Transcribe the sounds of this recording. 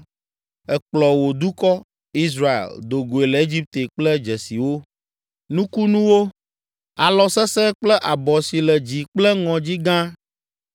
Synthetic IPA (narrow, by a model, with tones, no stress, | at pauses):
ɛ˨k͡plɔ˨wo˨d̪u˦kɔ˦ | i˦s̬ɾa˦ḛ˨ld̪o˨ɡo˨e˨lɛ˨e˦d͡ʑi˦p̚t̪e˨k͡plɛ˦d͡ʒɛ˨si˨wo˦ | nũ˦ku˦nũ˦wo˦ | a˨lɔ˨sɛ˦sɛ˦k͡plɛ˦ʔa˨bɔ˨si˨lɛ˨d͡ʑi˨k͡plɛ˦ŋɔ̃˨d͡ʑi˦ɡã˦